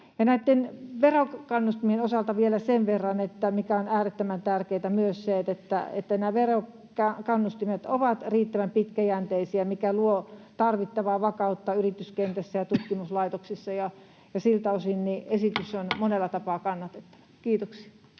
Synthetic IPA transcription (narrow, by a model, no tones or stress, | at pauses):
jɑnæit̪ːenʋerokɑnːust̪imienosɑlt̪ɑʋielæseʋʋerːɑnet̪ːæmikæonæːret̪ːømænt̪ærkeit̪æmyøsseːt̪et̪ːæ̰et̪ːænæːʋero | kɑkɑnːust̪imet̪oʋɑt̪riːt̪ːæʋæmpit̪kæjænt̪eisiæmikæluot̪ɑrʋit̪ːɑʋɑːʋɑkɑˑut̪ːɑyrit̪yskent̪æsːæjɑt̪ut̪kimuslɑit̪oksisːɑjɑ | jɑsilt̪æosinniesit̪ysonmonelːɑt̪ɑpɑːkɑnːɑt̪et̪ːɑ̥ʋɑ̥kiːt̪oksi̥ɑ